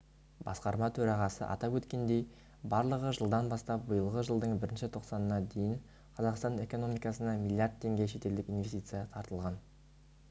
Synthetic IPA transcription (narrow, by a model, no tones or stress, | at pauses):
bɑ̰sqɑɾmɑt̪ʰɵɾɑʁɑsə̰ʔɑ̰t̪ɑpwɵt̪kʲe̞nd̪e̞j | bɑɾlˠəʁəʒəlˠd̪ɑnbɑst̪ɑp̚bəjəlˠʁəʒəlˠd̪əɴbɪɾɪnʃɪt̪ʰo̞qsɑnənɑd̪e̞jɪŋ | qʰɑzɑqst̪ɑne̞ko̞no̞mijkɑsənɑmʲilʲːˠijaɾd̪̚t̪ʰːe̞ŋɡʲe̞ʃe̞t̪e̞ld̪ɪkinve̞st̪it̪sɨjɑt̪ʰɑɾt̪əlˠʁɑn